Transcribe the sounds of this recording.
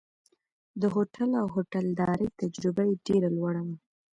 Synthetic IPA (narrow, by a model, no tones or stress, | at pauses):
d̪əɦoʈalawɦoʈald̪ɑɾəjt̪ad͡ʒɾɪbajeɖeɾalwaɽama